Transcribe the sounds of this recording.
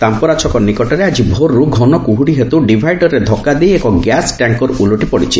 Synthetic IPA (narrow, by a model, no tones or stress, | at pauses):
t̪ampɔɾat͡ʃʰɔkɔnikɔʈɔɾead͡ʒibʱoɾːuɡʱɔnɔkuɦuɽiɦet̪uɖibʱajɖɔɾed̪ʱɔkːad̪ejekɔɡjasʈaŋkɔɾuluʈipɔɽit͡ʃʰi